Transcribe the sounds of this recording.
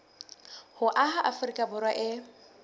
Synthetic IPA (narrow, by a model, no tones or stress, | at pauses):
hʊʔaɦaʔafʊrikʼabʊrwaʔɪ